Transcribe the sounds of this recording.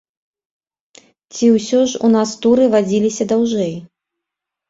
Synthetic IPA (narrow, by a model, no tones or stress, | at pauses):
t͡sʲiwsʲɔʐṵnast̪uɾɨvad͡zʲilʲisʲɐd̪awʐɛj